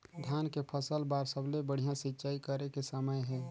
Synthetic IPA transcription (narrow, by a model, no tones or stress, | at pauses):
d̪ʱjaːnkepʰəsəlbaːɾsəblebəɽ̤ijãsɪtːʃaːikəɾekesəməjɦɛ̃ː